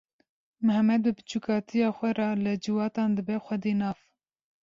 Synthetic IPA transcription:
mɨhɛmɛd̪̚wɨbɨ̥t͡ʃʰukɑːt̪ʰijɑːxʷɛɾɑlɨd͡ʒɨwɑːt̪ɑːnd̪ɨbɛxʷɛd̪eːnɑːv

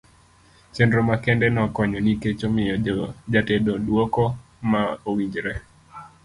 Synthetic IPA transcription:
t͡ʃendɾomakɛndɛnɔkɔɲɔniket͡ʃomɪjɔd͡ʒatedodwokɔ | maowiɲd͡ʒɾɛ

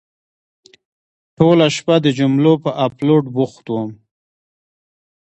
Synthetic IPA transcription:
ʈolaʃpad̪əd͡ʒʊmlopəʔaploʈbuxt̪wəm

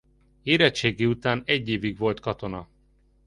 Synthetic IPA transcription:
eːɾɛt͡ʃːeːɡiut̪aːnɛɟːeːviɡʋo̞lt̪kɒt̪o̞nɒ

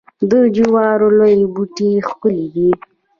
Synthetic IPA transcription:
d̪əd͡ʒuwɑɾolojibuʈixkʊlid̪i

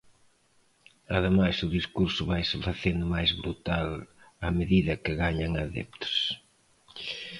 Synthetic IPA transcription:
aðɪmajsʊðiskuɾsʊβajsɪfaθend̪ʊmajzβɾut̪alameðiðɐkɪɣaɲɐŋaðɛ̰p̚t̪o̥s

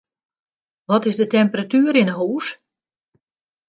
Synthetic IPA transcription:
ʋɔtɪzdətɛmpəratyːɾɪnəɦuːs

